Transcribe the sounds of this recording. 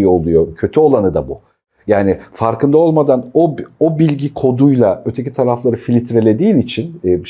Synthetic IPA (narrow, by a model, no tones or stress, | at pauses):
o̞lˠujo̞cʰø̞t̪ʰyo̞lˠanɯd̪abu | jaːnɪfaɾkɯnd̪ao̞lˠmad̪anoobilʲɟikʰo̞d̪ujlˠaø̞t̪ʰe̞cit̪ʰaɾaflˠaɾɯfilʲit̪ɾe̞lʲe̞d̪iːnit͡ʃʰinːb